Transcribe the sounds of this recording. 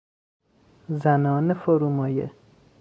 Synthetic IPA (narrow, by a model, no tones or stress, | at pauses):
zænɒːnefoɾuːmɒːjḛ